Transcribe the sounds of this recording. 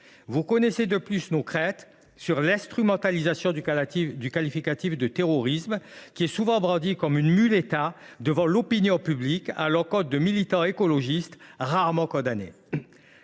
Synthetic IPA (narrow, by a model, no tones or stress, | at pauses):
vukɔnɛsed̪əplysnokχɛ̃t̪ | syʁlɛ̃st̪χymɑ̃t̪alizasjɔ̃d̪ykalifikat̪ifd̪ət̪eʁɔʁismkʲiɛsuvɑ̃bʁɑ̃d̪ikɔmynmylet̪a | d̪əvɑ̃lɔpinjɔ̃pyblika̰lɔkɔ̃t̪̚d̪əmilit̪ɑ̃ekɔlɔʒist̪ʁaʁmɑ̃kɔ̃d̪anḛ